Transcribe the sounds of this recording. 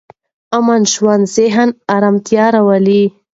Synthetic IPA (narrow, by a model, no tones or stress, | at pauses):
amanʃwand̪zeɦanaɾamt̪jɑɾawali